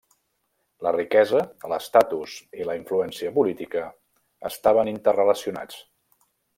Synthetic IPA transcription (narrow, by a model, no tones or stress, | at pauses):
lərikɛzələst̪at̪usiləiɱfluɛnsiəpulit̪ikə | ə̰st̪aβənint̪ərrələsiuna̰t͡s